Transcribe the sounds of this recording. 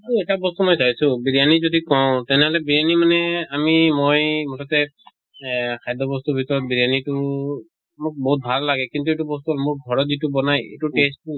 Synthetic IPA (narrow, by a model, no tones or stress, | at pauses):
tuɛtabɔst̪umɔjsasʊ̃biɹijanizodikɔʊ̃tɛnɛɦɔlɛbiɹjanimanɛamimojmɔtatɛ | kʰajdɔbɔst̪ubʱitɔɹɔt̚biɹjanitʊ | mʊk̚bɔɦut̚bʱalːaɡɛkintuejtubɔst̪uɔlmʊɹɡʱɔɹɔtzitubɔnajḛtutestu